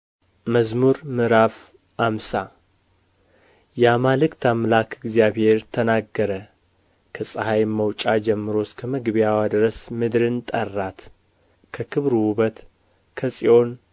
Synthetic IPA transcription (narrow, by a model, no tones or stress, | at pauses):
məzmuɾmɨɾaf | ʔamsa | jamalɨkt̪ʰamlakɨɡzjaβhe̞ɾt̪ʰənaɡːəɾə | kʰəsʼəhajməwt͡ʃʼad͡ʒɛmːɨɾo̞skʰəməɡβijawad̪ɨɾəsmɨd̪ɾɨnt̪ʼərːat̪ | kʰəkʰɨβɾwuβət̪ | kʰəsʼio̞n